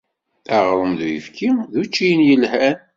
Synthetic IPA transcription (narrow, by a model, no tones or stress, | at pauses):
æʁɾˤəmðujə̰fkʰiðut͡ʃːijənjəlhæn